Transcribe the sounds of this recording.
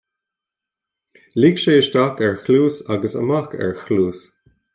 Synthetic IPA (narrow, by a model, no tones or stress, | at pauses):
liɡʃeːʃtakɛɹxluːsaɡəsə̰makɛ̰ɹxluːs